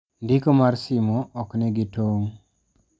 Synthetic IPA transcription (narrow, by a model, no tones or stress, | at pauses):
ndikomaɾsimɔʔɔknɛɡitoŋ